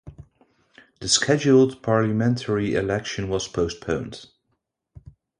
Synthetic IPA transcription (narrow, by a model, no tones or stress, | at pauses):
ðəskʰɛd͡ʒulˠdpʰɑɹləmɛ̃ntʰə˞iɪ̰lɛkʃɨ̃nwʌz̥pʰoʊspʰõʊ̃nd̥